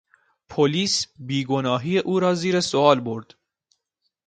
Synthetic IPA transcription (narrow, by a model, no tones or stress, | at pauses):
pʰoliːsbiːɡonɒːɦiːjeʔuːɾɒːziːɾesoɒːlboɾd̪̥